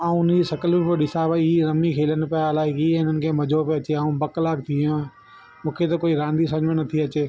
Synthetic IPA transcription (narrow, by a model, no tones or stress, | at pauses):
ãːʊnd͡ʑisɐkəlɪpoɗɪsaːʋaɾɐmikʰeːlənɪ̆pɐjalaːɪkiːɪn̤ənɪ̆kʰẽːmɐd͡ʑʱopeɐt͡ɕeaːũbɐklaːk̚t̪ʰiã | mũːkʰet̪ɐkoːiɾãːnd̪is̬ɐ̃ɲʋə̃nɐt̪ʰiɐt͡ɕeː